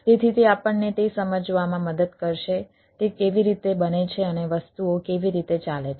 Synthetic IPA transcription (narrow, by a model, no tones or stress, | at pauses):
t̪et̪ʰit̪eapəɳnet̪esəməd͡ʒʋamãməd̪əd̪kəɾʃe | t̪ekeʋiɾit̪ebənet͡ʃʰeəneʋəst̪uokeʋiɾit̪et͡ʃalet͡ʃʰe